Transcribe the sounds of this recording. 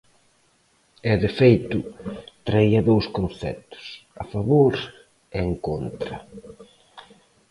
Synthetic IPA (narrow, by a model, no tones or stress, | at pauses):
ɛðɪfejt̪ʊt̪ɾaiɐðowskõn̟θɛ̰t̪ʊ̥sa̰faβoɾ | eŋkont̪ɾɐ̰